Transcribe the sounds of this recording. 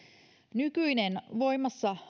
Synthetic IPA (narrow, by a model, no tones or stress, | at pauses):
nykyinenʋo̞jmːɑsːɑh